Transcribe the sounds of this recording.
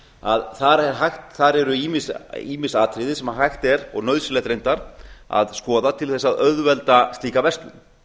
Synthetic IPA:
a̰ðθaɾɛɾɦajxt̪θaɾɛɾʏiːmɪsiːmɪ̥saːt̪ʰɾɪðɪsɛmaɦajxt̪ɛɾɔ̰ɣnœɥðsɪlɛt̪ɾejnt̪aɾa̰ðskɔːðat̪ʰɪlθɛsːaðœðvɛlt̪ast̪iːkavɛst̪lʏ̰n

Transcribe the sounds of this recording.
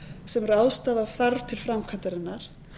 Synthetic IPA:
sɛmɛɾaːwst̪aːðav̥θaɾv̥t̪ʰɪlfɾamkʰant̪aɾɪnːaɾ̥

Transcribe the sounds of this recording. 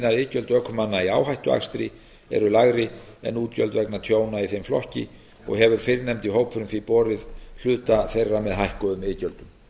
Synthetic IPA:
naɪːcœlt̪œkʰːʏmanːaiaːwɦajht̪ʏa̰xst̪ɾɪ | ɛ̰ɾʏlaɣɾɪ | ɛ̰nuːt̪cœlt̪vɛknat̪ʰjoːwnaiθemflɔ̰hcɪ̰ | ɔ̰ɣɦɛvʏɾ̥fɪɾnɛmt̪iɦoːwpʰʏɾʏmθfiɾipɔːɾɪðl̥ʏːt̪aθejrːamɛðɦajhkɔðʏmɪːcœlt̪ʏm

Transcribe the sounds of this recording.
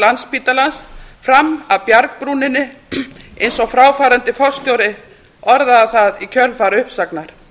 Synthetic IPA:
lanspiːt̪alansfɾamːawpjaɾkpɾuːnɪnːɪ | ejnsɔɣfɾaːwfaːɾant̪ɪfɔ̥st̪joːwɾɪ | ɔɾðaːθaðicʰœlfaːɾʏhpsaknaɾ̥

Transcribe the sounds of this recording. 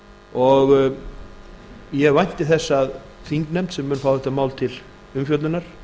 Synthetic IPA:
ɔɣ | jɛɣvajn̥t̪ɪθɛsːað | θiŋknɛmt̪sɛmːʏːnfaːwθɛt̪amaːwlt̪ʰɪl | ʏmfjœt̪lʏnaɾ̥

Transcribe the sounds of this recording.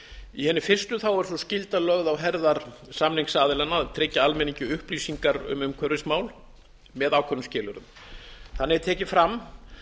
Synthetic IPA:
ihɛnːɪfɪr̥st̪ʏθawɛɾ̥sɔscɪlt̪alœɣðawɦɛɾðaɾ | samniŋksaːðɪlɛnaðt̪ʰɾɪcːaalmɛniɲcʏʏhpliːsiŋkaɾʏ̰mʏmkʰœɾɪsmaːwl | mɛðaːwkʰvɔnːʏmscɪːlʏɾʏn | θanːɪɛt̪ʰɛːcɪfɾam

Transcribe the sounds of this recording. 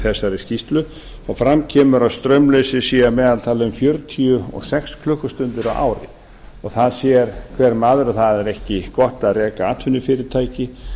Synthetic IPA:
θɛsːaɾɪscist̪lʏ | ɔɣfɾamcʰɛːmʏɾaðst̪ɾœɥmlesɪsiːjamɛːðalt̪ʰaːlɪʏmfjœɾt̪ʰiʏɔ̰ɣsɛxskʰlʏhkːʏst̪ʏnt̪ɪɾawʔa̰ːwɾɪ̰ | ɔɣθaðsjɛɾ̥kʰvɛɾmaːðʏɾɔθaðɛɾɛhcɪkɔht̪aðrɛːkaaːt̪ʰvʏnːɪfɪːɾɪɾt̪ʰaːjcɪ

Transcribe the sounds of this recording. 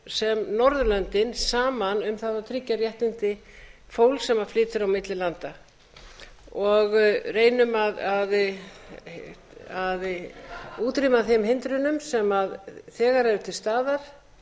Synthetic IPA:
sɛmnɔɾðʏlœnt̪ɪnsaːmanʏmθaðat̪ʰɾɪcːaɾjɛht̪nɪnt̪ɪfoːwlsɛmaflɪːt̪ʏɾawmɪt̪lɪlant̪a | ɔɣreːjnʏmaðað | að | uːt̪ɾimaðθɪmɦɪnt̪ɾʏnʏmsɛmaðθɛːɣaɾɛðʏt̪ʰɪlst̪aːðaɾ̥

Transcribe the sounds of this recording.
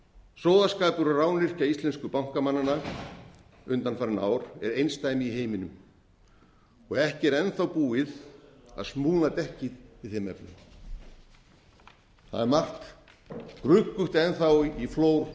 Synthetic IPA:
sɔːwðaskaːp̪ʏɾaraːwnlɪr̥caist̪lɛnskʏpawŋ̥kamanːana | ʏnt̪anfaɾɪna̰ːwɾ̥ɛ̰ɾejnst̪aːjmɪiɦeːjmɪnʏm | ɔɣɛhcɪɛɾɛnθawpuːɪða̰ðsmuːnat̪ɛhcɪðɪðθɛmɛ̰pnʏm | θa̰ðɛɾmar̥t̪ | kɾʏkːʏht̪ɛnθawifloːwɾ̥

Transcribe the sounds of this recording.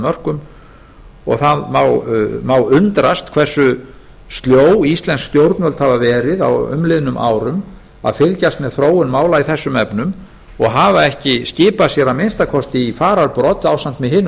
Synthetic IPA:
mœr̥kʏm | ɔ̰ɣθaðmaːwmaːwʏnt̪ɾast̪kʰv̥ɛr̥sʏ | st̪ljoːwist̪lɛnskst̪jowɾt̪nœlt̪havavɛːɾɪða̰wʏ̰mlɪːðʏnʏmʔa̰ːwɾʏm | a̰ðfɪlcast̪mɛðθɾoːwʏnmaːwlaiθɛsːʏmɛpnʏm | ɔɣɦavaɛhcɪscɪːpasjɛɾamejnst̪akʰɔst̪ɪifaːɾaɾpɾɔt̪aːwsam̥t̪mɛðɦɪːnː

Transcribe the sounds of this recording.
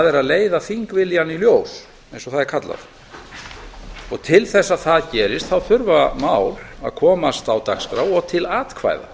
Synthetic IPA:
aðɛɾaðleːjðaθiŋkvɪljaniljoːws | ẽjnsɔθaðɛɾ̥kʰat̪la̰ð | ɔɣt̪ʰɪlθɛsːaðθaðcɛːɾɪst̪θawθʏɾvamaːwla̰ðkʰɔːmast̪awt̪akskɾa̰wɔɣt̪ʰɪlaːt̪kʰva̰ːjða̰

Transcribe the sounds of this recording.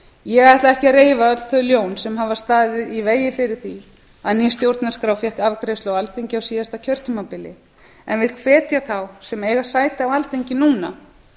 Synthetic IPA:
jɛɣaaht̪laðɛhcɪɾeːjvaœt̪θœðljoːwnsɛmhavḁst̪aːðɪðiveːjɪfɪɾɪɾ̥θi | aðnist̪jowɾt̪naskɾawfjɛhkavkɾejst̪owalθeɲcɪawsiːðast̪acʰœɾ̥t̪ʏmapɪlɪ | ɛ̰nvɪl̥kʰvɛːt̪jaθawsɛmeːjɣasaːjt̪aawalθeɲcɪnuːna̰

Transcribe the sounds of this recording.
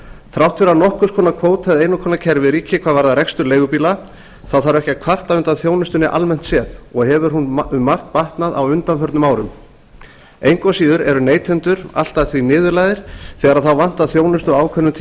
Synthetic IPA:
θɾawht̪fɪɾanɔhkʏ̥skʰɔːnakʰvoːwt̪ʰaðejnʏkʰɔːnacʰɛɾvɪðɾiːcʰɪkʰvaðvaɾðaɾɛkst̪ʏɾleːjɣʏpiːla | θawθaɾɛhcakʰvar̥t̪aʏnt̪aðθjoːwnʏst̪ʏnɪʔa̰lmɛn̥t̪sjɛːðɔɣɦɛvʏɾ̥ɦunmar̥t̪̚paht̪naða̰wʏnt̪anfœɾt̪nʏmaːwɾʏm | ejŋkvasiːðʏɾɛɾʏneːjt̪ʰɛnt̪ʏɾ̥a̰l̥t̪aðθvinɪːðʏɾlajðɪɾ̥θɛːɣaɾaðθawvan̥t̪aðθjoːwnʏst̪ɔɣaːwkʰœnːʏt̪ʰ

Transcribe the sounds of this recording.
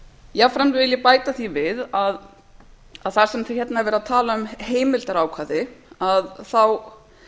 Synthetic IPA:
jɛafɾɛmvɪljɛpaːjt̪aθivɪðað | aðθaɾ̥sɛmθçɛt̪naɛɾvɛɾaðt̪ʰaːlaʏmheːjmɪlt̪aɾaːwkʰvaðɪaðθaw

